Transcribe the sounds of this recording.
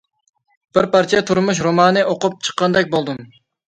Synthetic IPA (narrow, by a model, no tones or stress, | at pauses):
b̥ɪɾpɑɾt͡ʃʰɛt̪ʰuɾmuʃ̬ɾomɑːnɨʔoqʊp̚t͡ʃʰə̥qːɑnd̪ɛk̚ʲbolˠd̪ɨm